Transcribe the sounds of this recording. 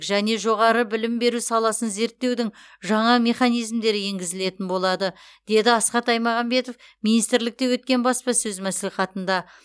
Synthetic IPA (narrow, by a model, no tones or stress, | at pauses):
kʒæne̞ʒo̞ʁɑɾəbɪlɪmbe̞ɾusɑlˠɑsənze̞ɾt̪ːe̞wd̪ɪŋ | ʒɑɴɑme̞χɑnijzmd̪e̞ɾɪje̞ŋɡʲɪzɪle̞t̪ɪnbo̞lˠɑd̪ə | d̪̥e̞d̪ɪɑsqɑt̪ɑjmɑʁɑmbe̞t̪o̞fminijst̪ɾlɪk̚t̪e̞wɵt̪̚kʲe̞nbɑspɑsɵzmæsliχɑt̪ənd̪ɑ